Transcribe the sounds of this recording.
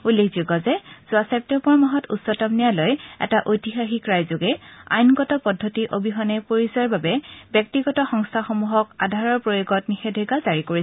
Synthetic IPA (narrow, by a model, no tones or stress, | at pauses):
ulːekʰzuɡɔzɛz̥uasɛp̚tɛmpɔɹmaɦɔtutsɔtɔmnijalojɛ̰taʔojtixaxikɹajzoɡɛa̰jnɡɔtɔpɔdʱːɔtiʔobʱiɦɔnɛpoɹizaɹbabɛbjɔk̚tiɡɔtɔxɔŋstʰaxomuɦɔkadʱaɹɔɹpɹojoɡɔtnixedʱeɡazaɹikoɹiɛ